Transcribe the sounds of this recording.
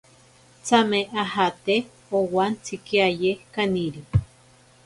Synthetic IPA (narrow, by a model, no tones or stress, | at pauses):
t͡sameahat̪e | owant͡sikiajekaniɾi